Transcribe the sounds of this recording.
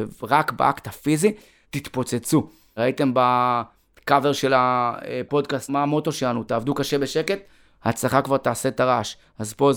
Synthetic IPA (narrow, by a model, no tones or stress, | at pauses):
ʁakbḛʔakt̪afizi | tit̪po̞t͡set͡su | ʁaite̞mba | kave̞ʁʃe̞lapo̞d̪kastmaːmo̞t̪o̞ʃelanutaːvd̪ukaʃe̞be̞ʃe̞ke̞t | hat͡slaχakvaʁtaːse̞t̪aʁaʃ | azpo̞